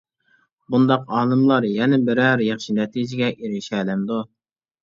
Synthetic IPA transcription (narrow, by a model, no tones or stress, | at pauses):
bund̪ɑqɑːlˠɨmlˠɑɾjɛnɪbɪɾɛɾjɑχʃinɛt̪ʰid͡ʒɪɡʲɛʔiɾɪʃɛːlɛmd̪u